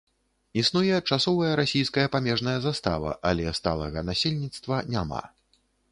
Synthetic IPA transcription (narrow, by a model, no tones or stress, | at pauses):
isnujɛt͡ʂasɔvɐjɐɾasʲijskɐjɐpamʲɛʐnɐjɐzast̪a̰vɐ̰ʔalʲɛst̪a̰lˠɐ̰ɣɐnasʲelʲnʲit̪st̪vɐnʲama̰